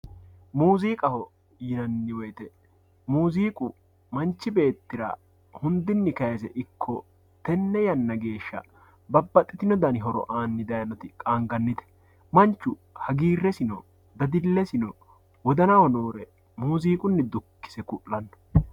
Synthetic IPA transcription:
muːziːkʼɐhɔ | jɪnɐnːɪwɔjt̪ɛ | muːziːkʼʊ | mɐnt͡ʃːɪbe̞ːt̪ːɪɾa̰ː | hʊnd̪ɪnːɪkɐjsɛ̰ʔɪkʰːɔ | t̪ɛnːɛjɐnːɐɡe̞ːʃːɐ̰ | bɐbːɐt̪ʼːɪt̪ɪnɔd̪ɐnɪɦɔɾɔ̰ʔaːnːɪd̪ɐjɐnɔt̪ɪkʼaːŋɡɐnːɪd̪ɛ̥ | mɐnt͡ʃːʊhɐɡiːrːɛsɪnɔ | d̪ɐd̪ɪlːɛsɪnɔ | wɔd̪ɐnɐwɔnoːɾɛ | muːziːkʼʊnːɪd̪ʊkːɪ̥sɛkʊʔːɐnːɔ̥

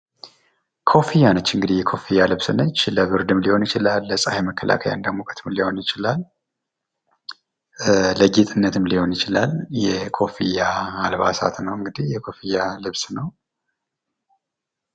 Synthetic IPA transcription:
kʰo̞fijanət͡ʃːɨŋɡɨd̪ihjɛkʰo̞fijːalɨβsɨnət͡ʃːləβɨɾd̪ɨmliho̞njɪt͡ʃɪlalːəsʼaheməkːəlʔa̰kʰəja̰nd̪əɡmokʼə̥t̪ʰɨmliho̞njɪt͡ʃɪlal | əɡet̪ʼɨnːət̪ʰɨmliho̞njɪt͡ʃɪlaljɛkʰo̞fijaːlβa̰sa̰t̪nəwɨŋɡɨd̪ihjɛkʰo̞fijːalɨβsnəw

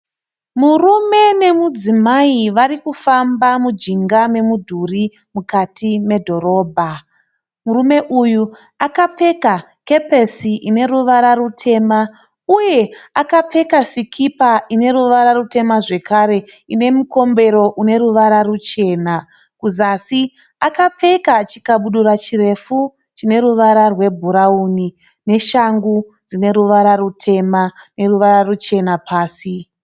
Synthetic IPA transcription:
murume̞ne̞mud͡zimaiʋaɾikufambamud͡ʒiŋɡame̞mudʱuri | mukatʰime̞dʱo̞ɾo̞ːbʱa | murume̞ʔuju | akape̞ka | ke̞pesiʔine̞ruʋaɾarutʰe̞ma | uje̞akap͡fe̞kasikʰipaine̞ɾuʋaɾarute̞maʐe̞kaɾe̞ | ine̞muko̞mbe̞ɾo̞ʔune̞ɾuʋaɾarut͡ʃe̞ːna | kuzasi | akap͡fe̞kat͡ʃikaɓuɗuɾat͡ʃire̞fu | t͡ʃine̞ɾuʋaɾarwe̞bʱuɾauni | ne̞ʃaŋɡud͡zine̞ɾuʋaɾarutʰe̞mane̞ruʋaɾarut͡ʃe̞napaːsi

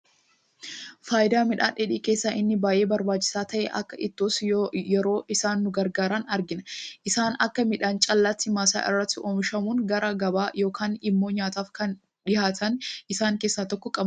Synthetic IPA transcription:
faːjɪd̪aːmɪᶑa̰ːᶑɛᶑiːke̞ːsːaːʔɪnːɪbaːjʔe̞ːbɐɾbaːt͡ʃːɪ̥saːt̪ɐʔɛ̰ʔɐ̰kːɐʔɪt̪ːoːsjɛɾo̞ːʔɪsaːnːʊɡɐɾɡaːɾaːnɐɾɡɪnɐʔɪsaːnɐ̰kːɐmɪᶑaːnt͡ʃʼɐlːɐt̪ːɪmaːsa̰ːʔɪ̰rːɐt̪ːɪoːmɪʃɐmuːnɡɐɾɐɡɐbaːjo̞ːkʰaːnɪmːo̞ːɲaːt̪aːfkɐn | ᶑɪhaːt̪ʰɐnʔɪsaːŋkeːsːaːt̪ɔkːɔkʼɐb

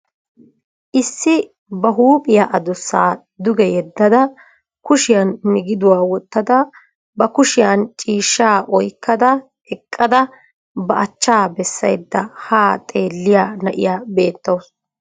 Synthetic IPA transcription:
ʔɪsːɪ | bɐɦuːpʼɪjaʔɐd̪ʊsːaː | d̪ʊɡɛjɛd̪ːɐd̪ɐ | kʊʃɪjɐnːɪɡɪd̪ʊwaːwɔt̪ːɐd̪ɐ | bɐkʊʃɪjɐnt͡ʃʼiːʃːaːʔɔjkːɐd̪ɐ | ɛkʼːɐd̪ɐ | bɐʔɐt͡ʃːaːbɛsːɐ̰jd̪ːɐhaːt̪ʼe̞ːlːɪjaːnɐʔɪ̰jaːbe̞ːt̪ːɐws

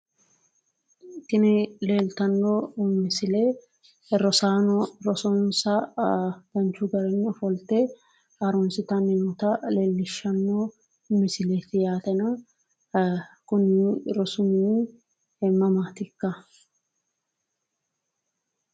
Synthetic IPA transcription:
t̪ɪnɪleːlt̪ɐnːoʊmːɪsɪle | ɾɔsaːnɔɾɔsɔnsɐ | b̥ɐnt͡ʃːʊɡɐɾɛnːɔfɔlt̪ɛ | ɐɾɔnsɪt̪ɐnɪnɔt̪ɐle̞ːlːɪʃːɐnːo | ʊmːɪsɪlet̪ɪjaːt̪ɛnɐ | kʊnːɪɾɔsʊmi | ɛmːɐmaːt̪ɪkːɐ

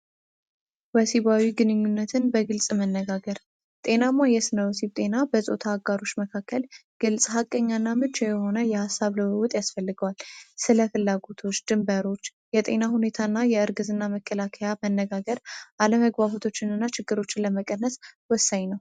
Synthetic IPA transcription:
wəsiβawiɡɨnɨɲːunːət̪ʰɨnbəɡɨlsʼmənːəɡaɡəɾ | t̪ʼe̞namajɛsɨnəwsib̚t̪ʼe̞nabəsʼo̞̰t̪ʰaːɡaɾo̞t͡ʃːməkʰakːəlɡ̥ɨlsʼɦakʼːəɲːanːamɨt͡ʃajɛho̞nəjɛhasːaβləwəwt̪ʼjasfəlːɨɡəwalsɨləfɨlːaɡo̞t̪ʰo̞t͡ʃːd̪̥ɨmbəɾo̞t͡ʃːjɛt̪ʼe̞̰nahune̞t̪ʰaɨnːajɛɨɾɡɨzɨnːaməkʰːəlakʰəjamənːəɡaɡəɾʔaləməɡbaβot̪ʰo̞t͡ʃːɪnɨnːat͡ʃɪɡːɨɾo̞t͡ʃːɪnləməkʼənːəswɔsːaɲnəw

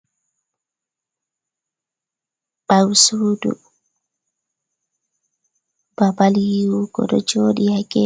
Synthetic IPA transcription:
bawsuːdṵ | babaljiwuɡɔ̰ɗɔd͡ʒoːɗihaɡɛ

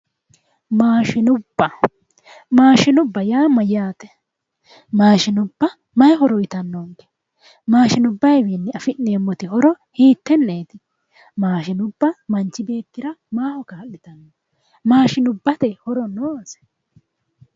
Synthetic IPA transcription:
maːʃɪnʊbːɐ | maːʃɪnʊbːɐjaːmɐjaːt̪ɛ̥ | maːʃɪnʊbːɐ | mɐjɦɔɾɔjɪt̪ɐnːoŋkɛ̥ | maːʃɪnʊbːɐjbiːnːɪɐfɪnːeːmːɔt̪ɪhɔɾɔ | hiːt̪ːɛnːeːt̪ɪ | maːʃɪnʊbːɐmɐnt͡ʃːɪbe̞ːkːɪɾɐmaːhɔkaːɐʔːɪt̪ɐnːo | maːʃɪnʊbːɐt̪ɛhɔɾɔnːoːsɛ̥

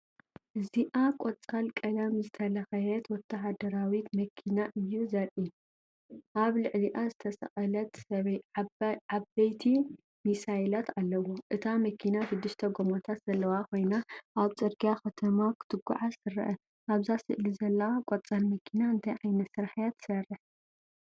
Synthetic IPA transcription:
ʔɨziʔakʼot͡sʼalkʼɐlɐmzɨt̪ʰɐlɐxɐjɛt̪wɔt̪ʰːɐɦad̪ɐɾawit̪mɐkʰinaʔɨjːuzɐɾʔi | ʔaβlɨʕliʔazɨt̪ʰɐsɐ̰xʼɐlɐt̪ɐ | abɐjt̪ʰi | misajlat̪ʰalːɐwoʔɨt̪ʰamɐkʰinafɨd̪ɨʃt̪ʰɐɡomot̪ʰat̪z̥ɐlːɐwakʰo̞jnaʔaβt͡sʼɨɾɡijaxʰɐt̪ʰɐmakʰɨ̥t̪ʰɨɡːṵʕasɨrɐ̰ʔɐ | ʔaβzasɨ̰ʔlizɐlːɐwakʼot͡sʼalmɐkʰinaɨnt̪ʰɐjʕajnɐt̪sɨɾaħjat̪sɐrɨħ

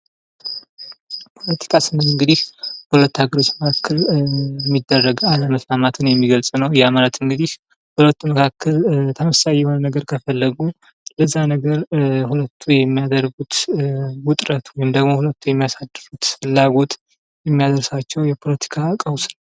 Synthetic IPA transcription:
pʰo̞lət̪ʰi̥kʰasɨnɨɨŋɡɨd̪ihbəhulət̪ːaɡəɾo̞t͡ʃːməkʰakʰːəljɛmːid̪ːərːəɡaləməslamat̪ʰɨnjɛmːiɡəlsʼnəwjɛamalət̪ɨŋɡɨd̪ih | hulət̪ːuməkʰakːəlt̪ʰəməsajɛho̞nənəɡəɾkʰəfəlːəɡu | ləzːanəɡəɾhulət̪ʰːujɛmːijad̪əɾɡut̪wʊt̪ʼɾət̪wɔjɪmd̪əɡmo̞hulət̪ːujɛmːijasad̪ːɨɾut̪fɨlːaɡo̞t̪ | jɛmːijad̪əɾsat͡ʃːɛwjɛpʰo̞lət̪ʰi̥kʰakʼəwsnəw

